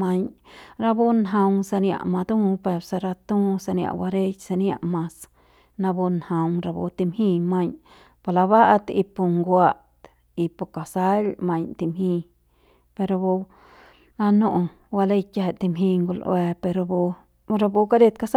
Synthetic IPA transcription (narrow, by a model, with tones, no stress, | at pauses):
ma˧ɲɾa˧bu˦nɦa˧wsa˧nja̰˧˨ʔma˧d̪ũ˦pe˧ɾsa˧ɾa˧t̪ũ˦sa˧nja̰˧ʔwa˧ɾe˦jsa˧nja˧ʔmã˧s | na˧bu˧nha˧wɾa˧bṵ˧t̪i˧mhĩ˧ma˧ɲ | pa˨la˧βa˦ʔt̪ḭ˧pu˧ŋɡwa˧t̪ | i˧pu˧ka˨sa˦lma˧ɲt̪i˧mɦĩ˧ | pe˧ɾo˧bu˧ | la˧no˦ʔ | wa˧le˦˧jka˧ɦe˨t̪i˧mɦĩ˧ŋɡu˧lʔw̰e˧pe˧ɾo˧bu˧ | ɾa˧bu˧ka˦ɾe˦˧t̪ka˧s